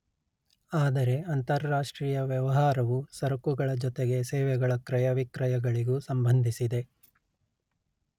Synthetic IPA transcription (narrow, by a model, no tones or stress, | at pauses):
aːd̪ɐɾe̞ɐnt̪ɐɾːaːʂʈɾiːjɐʋjɛʋɐɦaːɾɐʋusɐɾɐkuɡɐɭɐd͡ʒɔt̪eɡe̞sɛːʋɛɡɐɭɐkɾɐjɐʋikɾɐjɐɡɐɭiɡusɐmbɐnd̪ʱisid̪e̞